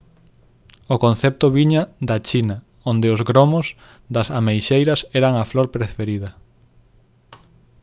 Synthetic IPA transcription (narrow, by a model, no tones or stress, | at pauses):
ʊkõn̟θɛp̚t̪ʊβiɲɐðɐt͡ʃinɐ | ond̪ɪʊzɣɾomos | d̪ɐsamejʃejɾɐsɛɾɐŋɐfloɾpɾefeɾiðɐ